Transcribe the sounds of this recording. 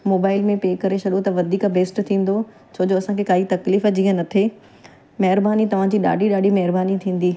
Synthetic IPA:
moːbaːɪlmẽpeːkɐɾesɐɗot̪ɐʋɐd̪ʱiːkbʱeːsʈt̪ʰĩːn̆d̪o | t͡ɕʰoːd͡ʑoɐsãkʰekaːit̪ɐkliːfd͡ʑiɦə̃nɐt̪ʰe | mɐɦɪɾbaːnit̪ɐʋ̤ãd͡ʑiːɗa̰ːɖʱiɗaːɖʱimɐɦɪɾbaːnit̪ʰĩːn̆d̪iː

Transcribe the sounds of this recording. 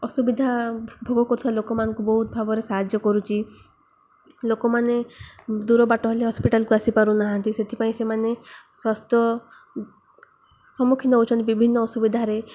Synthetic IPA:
ɔsubid̪ʱabʱoɡɔkɔɾut̪ʰibalokɔmanɔ̃ŋkubɔɦut̪̚bʱabɔɾesaɦad͡ʒjɔkɔɾut͡ʃʰi | lokɔmaned̪uɾɔbaʈɔɦeleɦɔspiʈalkuasipaɾunaɦant̪iset̪ʰipaĩsemaneswast̪ɔ | sɔmukʰinɔɦowt͡ʃʰɔnt̪ebibʱinːɔɔsubid̪ʱaɾe

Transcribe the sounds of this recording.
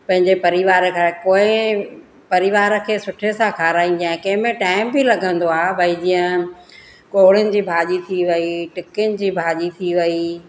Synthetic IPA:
pɐ̃ɦɪ̃ɲd͡ʑepɐɾɪʋaːɾəkʰakoːɪ̃ | pɐɾɪʋaːɾə̆kʰeːsʊʈʰesãkʰaːɾaːĩnd̪jãːẽkɐ̃ɦɪ̃mẽʈaːɪmbɪlɐɡʱə̃nd̪oaːbʱɐid͡ʑiːə̃ | koːɦɽɪʊnɪ̆d͡ʑiːbʱaːʄit̪ʰiʋɐiʈɪkʊnɪ̆d͡ʑiːbʱaːʄit̪ʰiʋɐi

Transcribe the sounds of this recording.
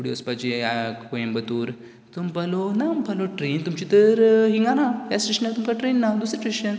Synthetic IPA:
kuɽiəspat͡ɕiakoembət̪uːɾ | t̪umpalonampaloʈɾent̪umt͡ɕit̪əɾɦĩŋɡanajasʈɾiʂnat̪umkaʈɾenːad̪usɾʈɾiɕən

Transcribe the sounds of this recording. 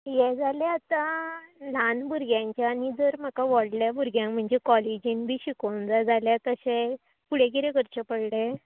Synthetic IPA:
jɛd͡zaleat̪alanbuɾɡjãɲt͡ɕjaːnid͡zəɾm̤əkaʋɔɽljabuɾɡjãŋkm̤əɳd͡ʑekɔled͡ʑiːnbʱiːɕikond͡zad͡zaljat̪əɕe | puɽ̤ekiɾekəɾt͡ɕəpəɽɽe

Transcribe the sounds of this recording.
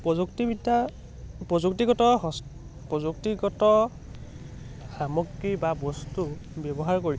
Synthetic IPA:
pɔzuktibida | pɹɔzuktiɡɔtɔɔ | pɹɔzuk̚tiɡɔtɔ | xamɔkːibabɔstubɛbɔɦaɹkoɹi

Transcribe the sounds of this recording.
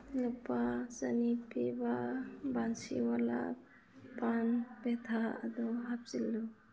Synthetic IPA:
lɔpat͡ʃanipibabansḭwala̰ | panpɛt̪ʰaa̰d̪ɔɦap̚silːɔ

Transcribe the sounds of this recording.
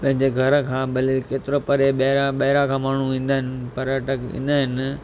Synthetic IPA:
pɐ̃ɦɪ̃ɲd͡ʑeɡʱɐɾkʰãːbɐlilkeːt̪ɪɾopɐɾeɓɐɦɪɾaɓɐɦɪɾakʰãːmaːɳ̤uʋĩːnd̪aːɦɪnɪpɐɾəʈəkʋḭ̃ːn̆d̪aːɦɪn

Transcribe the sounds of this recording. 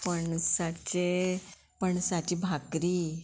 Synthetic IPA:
pəɳsat͡ɕe | pəɳsat͡ɕiːbʱakɾiː

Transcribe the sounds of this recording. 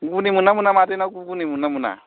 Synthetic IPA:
ukunimunamunamatɛnakukunimunamuna̰

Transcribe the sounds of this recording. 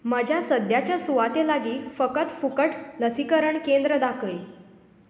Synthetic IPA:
məd͡ʑʱjasəd̪jat͡ɕjasuʋat̪elaɡiːfəkət̪fukəʈləsikəɾəɳkend̪ɾəd̪akʰəj

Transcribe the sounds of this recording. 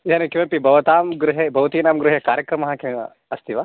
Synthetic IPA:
janekimepibʱɐʋɐt̪aːmɡɾuɦebɐʋt̪iːnaːmɡɾuɦekaːɾjɐkɾɐmɐɦãkĩ | ɐst̪iʋaː

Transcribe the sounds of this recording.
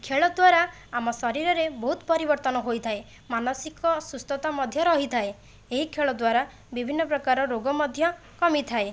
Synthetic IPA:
kʰeɭɔd̪waɾa | amɔsɔɾiɾɔɾebɔɦut̪pɔɾibɔɾt̪ɔnɔɦojt̪ʰae | manɔsikɔsust̪ɔt̪amɔd̪ʱjɔɾɔɦit̪ʰae | eɦikʰeɭɔd̪waɾa | bibʱinːɔpɾɔkaɾɔɾoɡɔmɔd̪ʱjɔ | kɔmit̪ʰae

